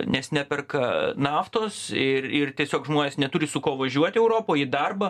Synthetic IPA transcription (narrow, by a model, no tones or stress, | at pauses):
nʲɛsnʲæːpʲɛrkɐnɑːft̪oːsɪrɪrt̪ʲiɛsʲoːkʒmoːnʲeːsnʲɛt̪ʊɾʲɪsʊkoːʋɐʒʲuɔt̪ʲɪɛʊɾoːpoːɪd̪ɐrbɐ